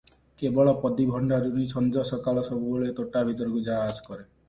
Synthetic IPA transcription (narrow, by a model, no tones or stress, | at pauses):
kebɔɭɔpɔd̪ibʱɔɳɖaɾunisʰɔnd͡ʒɔsɔkalɔsɔbuboɭet̪oʈabʱit̪ɔɾɡud͡ʒaaskɔɾe